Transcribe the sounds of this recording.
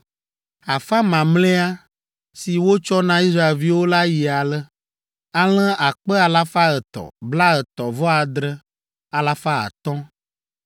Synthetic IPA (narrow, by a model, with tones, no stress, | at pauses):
a˨fa˦mã˨mlɛ̃˦a˦ | si˨wo˦t͡ʃɔ˦nã˦i˦sɾa˦e˨lvi˦wo˦la˦ji˨a˨lə˦ | a˦l̃ɛ̃˦ʔa˨k͡pə˦a˨la˦fa˦ə˨t̪ɔ̰˨bla˦ə˨t̪ɔ˨vɔ˦a˨d̪ɾə˦ | a˨la˦fa˦a̰˨t̪ɔ̃˦